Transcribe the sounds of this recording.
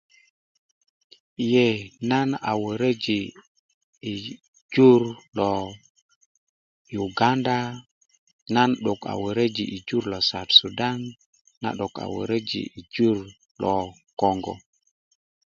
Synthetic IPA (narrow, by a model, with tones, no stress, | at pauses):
i˨je˨na˦na̰˨wə˨ɾə˦d͡ʒiː˨ | d͡ʒu˦ɾlɔ˨ | ju˨ɡa˦nda˦ | na˦nɗu˨ka̰˨wə˨ɾə˦d͡ʒi˨ʔi˨d͡ʒu˦ɾlɔ˨sa˨tsu˨da˦nː | a̰˨ɗo˨ka̰˨wə̰˨ɾə˦d͡ʒḭ˨i˨d͡ʒu˦ɾ | lɔ˨ | kɔ˦˨ŋɡɔ̰˨